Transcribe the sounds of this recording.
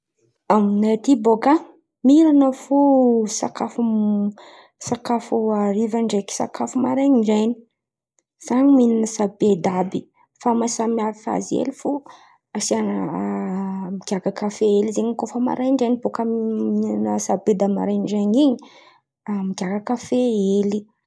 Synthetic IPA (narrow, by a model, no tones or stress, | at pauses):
aminat̪iboka | miɾanəfusa̰kafu | sakafuaɾivaɳɖ͡ʐeki̥sa̰kafumaɾajɲiɳɖ͡ʐajni | z̥aɲimininəsabed̪abi | famasamiavifa̰zḛlifu | asian | miɡʲaɡakafeelizeɲikofəma̰ɾʔajɳɖ͡ʐajnibokəmininəsabed̪ama̰ɾajɳɖ͡ʐeɲiɲi | amiɡʲaɡakafeeli